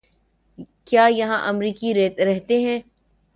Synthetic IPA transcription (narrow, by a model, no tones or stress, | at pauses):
kjaːjɐɦãʔɐmɾiːkiɾɛɦɾɛɦt̪eɦɛ̃ː